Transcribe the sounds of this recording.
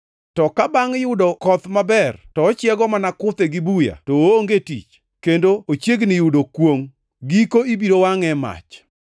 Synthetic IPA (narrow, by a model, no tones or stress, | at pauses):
tɔkabaŋjʊdokɔt̪mabɛrtɔːt͡ʃjɛɡɔmanakʊt̪ɛɡɪbuja̰tooŋɡetḭt͡ʃ | kendoot͡ʃjeɡnɪjʊdokwoŋ | ɡikoibiɾowaŋɛma̰t͡ʃ